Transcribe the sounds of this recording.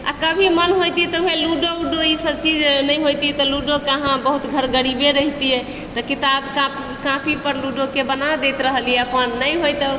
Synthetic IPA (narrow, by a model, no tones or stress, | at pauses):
a̰kəbʱimənɦojt̪it̪ɔuɦẽluɖouɖoisəb̚t͡ʃid͡ʒnəjɦojt̪iɛt̪ɔluɖokəɦãbəɦut̪ɡʱəɾɡəɾibeɾəɦt̪iɛ | t̪ɔkit̪abkap | kãpʰipəɾluɖokebənad̪ejt̪ɾəɦəliɛəpənːəjɦojt̪ə